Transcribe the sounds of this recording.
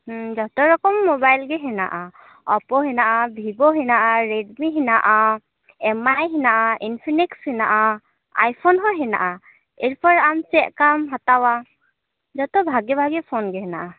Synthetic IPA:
hd͡ʒɔtɔɹɔkɔmːɔbajlɡɛɦɛna̰ʔa | ɔpɔɦinaʔabʱibɔɦinaʔaɹedmiɦinaʔa | ɛmajɦinaʔaʔinpʰinikshinaʔa | a̰jpʰɔnɦɔɦɛna̰ʔa | eɹipɔɹamsɛʔkamɦatawa | zɔtɔbʱaɡɛbʱaɡɛpʰonɡɛɦɛnaʔa

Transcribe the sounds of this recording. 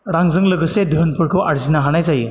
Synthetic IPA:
ɾaŋzɯŋlɯɡɯsediɦɯnpʰɯɾkʰɯʔaɾzinaɦanajzajɯ

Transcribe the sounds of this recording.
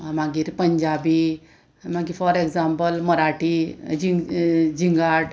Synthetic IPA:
maɡiːɾpəɲd͡ʑabi | maɡifɔɾekzãmpəlməɾaʈid͡ʑid͡ʑiŋɡaʈ

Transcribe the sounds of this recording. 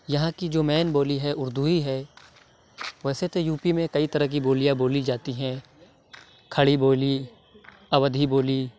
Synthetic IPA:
jɐɦãkid͡ʒoːmɛːnboːliɦɛʊɾd̪uɦiɦɛː | ʋɛːset̪ojuːpimẽkɐit̪ɐɾəɦk̬iboːlijãboːlid͡ʒaːt̪iɦɛ̃ː | kʰɐɽiboːli | ɐʋəd̪ʱiboːli

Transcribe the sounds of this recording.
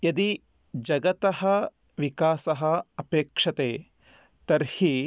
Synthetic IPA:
jɐd̪i | d͡ʒɐɡɐt̪ɐɦɐ | ʋikaːsɐɦɐɐpeːkʂɐt̪eː | t̪ɐɾhi

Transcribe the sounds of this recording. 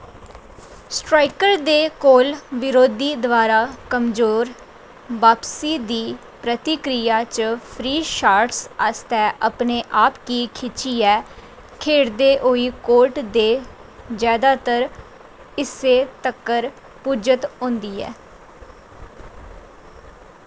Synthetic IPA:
sʈɾaːɪkəɾd̪eːkoːlʋɪɾoːd̪iːd̪ʋaːɾaːkəmzoːɾ | ʋaːpsiːd̪iː | pɾət̪ɪkɾijaːt͡ʃpʰɾiːʃaːɾʈsast̪ɛːʔəpneːʔaːpkiːkʰɪt͡ʃiːɛː | kʰeːɽd̪eːʔoːiːkoːɾʈd̪eːd͡ʒjaːd̪aːt̪əɾ | ɪseːt̪əkːəɾ | puːd͡ʒət̪ɦõːnd̪iːɛ̰ː

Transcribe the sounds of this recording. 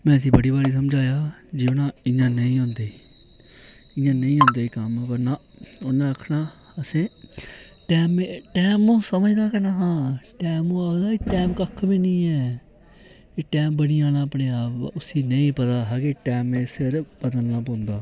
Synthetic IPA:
mɛ̃ːəsĩːbəɽiːbaːliːs̬əmd͡ʒaːjaːd͡ʒɪʋnãːɪ̃ãːnəĩːɦõːnd̪eː | ɪ̃jãːnəĩːɦõːnd̪aːiːkəmɛ̃ːpəɾnãː | ʊnãːəkʰnaː | əsẽː | ʈɛːmeːʈɛːmõːsəməd͡ʒd̪aːkənaːɦãːʈɛːmõːad̪aːiːʈɛːmkəkʰːbiːnĩːɛː | ʈɛːmbəniːãːnãːəpneːaːpʊsĩːnəĩːpət̪aːɦaːkɪʈɛːmẽːsɪɾpəd̪əlnaːpõːnd̪aː

